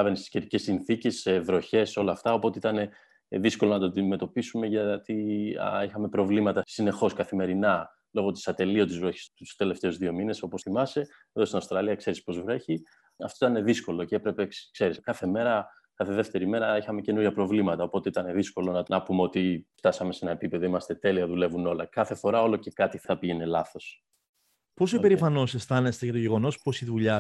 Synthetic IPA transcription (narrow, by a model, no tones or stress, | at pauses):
ɐvenest̪iscet̪ice̞sinθicesevɾo̞çe̞so̞lɐːft̪ɐopo̞t̪eit̪ɐne̞ | ðisko̞lonɐt̪od̪ime̞t̪o̞pisume̞ʝɐt̪ḭixɐme̞pɾo̞vlimɐt̪ɐsine̞xo̞skɐθime̞ɾinɐ | lo̞ɣo̞t̪i̥sɐt̪e̞lio̞t̪izvɾoçi̥st̪ust̪e̞left̪e̞ozðio̞mine̞so̞po̞sθimɐse̞ | eðo̞st̪inɐfst̪ɾɐliɐkse̞ɾispo̞zvɾe̞çi | ɐft̪oit̪ɐne̞ðisko̞lo̞ceepɾe̞peskse̞ɾiskɐθe̞me̞ɾɐ | kɐθe̞ðeft̪e̞ɾime̞ɾɐixɐme̞ce̞nuɾʝɐpɾo̞vlimɐt̪ɐopo̞t̪e̞it̪ɐne̞ðisko̞lo̞nɐnʔɐpumeo̞t̪ift̪ɐsɐme̞se̞nɐe̞pipe̞ðo̞imɐst̪e̞t̪e̞liɐðule̞vuno̞lɐkɐθe̞fo̞ɾɐo̞lo̞ce̞kɐt̪iɐpiʝene̞lɐθo̞s | po̞sipe̞ɾifɐno̞sest̪ɐnest̪eʝɐt̪o̞ʝe̞ɣo̞no̞spo̞siðuʎɐ